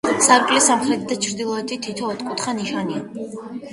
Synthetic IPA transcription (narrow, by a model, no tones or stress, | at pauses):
saɾɡʼlisamχɾɛt̪ʰid̪at͡ʃʰɾd̪ilˠɔɛt̪ʰit̪ʰit̪ʰɔːt̪ʰkʼut̪ʰχaniʃania